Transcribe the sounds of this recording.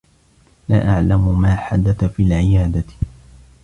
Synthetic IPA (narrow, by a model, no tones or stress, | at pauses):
laːʔaʕlamʊmaːħad̪aθafiːlʕɪjaːd̪a